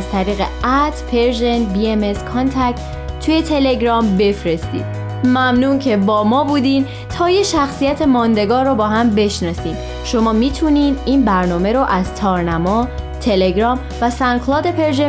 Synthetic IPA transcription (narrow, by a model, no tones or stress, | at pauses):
z̥t̪ʰæɾiːɣḛæt̪ʰpʰe̞ɾʒenbiemeskʰɒnt̪ʰæk̚t̪ | t̪ʰːujet̪ʰe̞le̞ɡɾɒːmbe̞fɾest̪ḭːd̪̚ | mæmnuːcʰe̞bɒːmɒːbuːd̪iːm | t̪ʰɒːjeʃæxsijæt̪ʰe̞mɒːnd̪e̞ɡɒːrobɒːɦæmbe̞ʃnɒːsiːm | ʃo̞mɒːmiːt̪ʰuniːd̪iːnbæɾnɒːme̞ɾoʔæz̥t̪ʰɒːɾnæmɒːt̪ʰe̞le̞ɡɾɒːm | væsæŋklɒːd̪e̞pʰe̞ɾʒe